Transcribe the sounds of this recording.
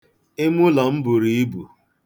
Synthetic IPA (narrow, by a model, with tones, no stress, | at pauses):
ɪ˦mʊ˦la˨m̩˦bʊ˨ɾi˨˦i˦bṵ˨